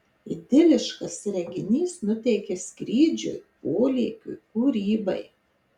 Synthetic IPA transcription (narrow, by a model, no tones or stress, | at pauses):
ɪd̪ʲɪlʲɪʃkɐsɾʲɛŋɡʲɪnʲiːsnʊt̪ʲɛɪkʲɛsʲkɾʲiːd͡ʒʲʊ̰ɪpoːlʲɛːkʲʊ̰ɪkuːɾʲiːbɐ̰ɪ